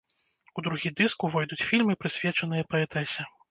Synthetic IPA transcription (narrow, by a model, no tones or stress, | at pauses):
ud̪ɾuɣʲid̪ɨskuvɔjd̪ut͡sʲfʲilʲmɨpɾɨsʲvʲɛt͡ʂɐnɨjɐpɐɛt̪ɛsʲɛ